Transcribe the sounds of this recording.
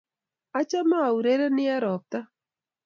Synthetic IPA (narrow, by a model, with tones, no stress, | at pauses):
a˦t͡ʃa˦ma˦a˨u˨ɾe˦ɾɛ˦nɪ˦a˦ɾɔ˨p̚t̪a˦